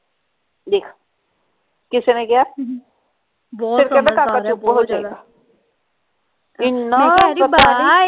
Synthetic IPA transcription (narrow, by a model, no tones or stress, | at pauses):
d̪eːkʰa | kɪsenekija | bɪɾkebekãkaupːɦod͡ʒaːeɡa | ɪnːɔəai